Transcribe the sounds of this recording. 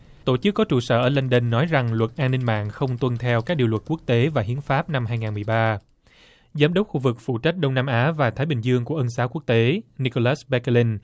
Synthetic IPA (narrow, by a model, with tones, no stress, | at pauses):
t̪o˧˩t͡ɕɨ˦˥kːɔ˨˦t͡ɕṵ˧˩sə̰ː˧˨ʔəː˧˩lə˧ŋɗe˧nːɔ˨˦jza˨˩ŋlwə˨˩t̚ʔaː˧nï˧ŋma̰ː˧˨nxə˧wŋ͡mt̪wə˧nt̪ʰɛ˧wka˦˥k̚ɗi˨˩lwə˨˩t̚ku˦˥ək̚t̪e˨˦vaː˨˩ɦi˨˦ənfaː˦˥p̚na˧mhaː˧jŋaː˨˩mɨ˨˩əjɓaː˧ | zaː˨˦mɗə˦˥wk͡p̚xu˧vɨ˨˩k̚fṵ˧˩t͡ɕa˦˥t̟̚ɗə˧wŋ͡mnaː˧mʔaː˨˦vaː˨˩t̪ʰaː˨˦jɓï˨˩ŋ̟zɨ˧əŋku˧˩əʔə˧nsaː˨˦wku˦˥ək̚t̪e˨˦ni˧ko˧laː˦˥smɛ˨˦kli˧n